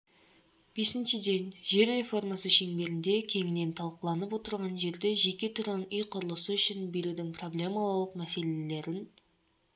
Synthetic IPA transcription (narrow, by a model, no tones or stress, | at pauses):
b̥e̞sɪnʃɪd̪e̞nʒe̞ɾːe̞fo̞rmasəʃe̞ŋbe̞ɾɪnd̪e̞kʲʰe̞ŋɪne̞nt̪ʰɑlˠqəlˠɑnəp̬wo̞t̪əɾʁɑnʒe̞ɾd̪e̞ʒe̞kʲe̞t̪ʰʊɾʁɑnʏjqʰʊɾəlˠəsəʏʃɪnbe̞ɾud̪ɪŋpʰro̞blʲe̞malˠlˠəqmæse̞lele̞ɾɪn